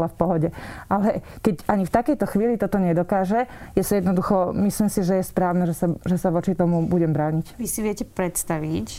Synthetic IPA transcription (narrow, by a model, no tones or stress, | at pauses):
lafpɔɦɔɟɛʔalɛkɛɟaɲift̪akɛjt̪ɔxʋiːlit̪ɔt̪ɔɲɛd̪ɔkaːʒɛjɛsɔjɛd̪nɔd̪uxɔmisliːmsiʒɛjɛspɾaːʊnɛʒɛsaʒɛsaʋɔt͡ʃit̪ɔmubuɟɛmbɾaːɲicʋisiʋɪɛcɛpɾɛt̪st̪aʋic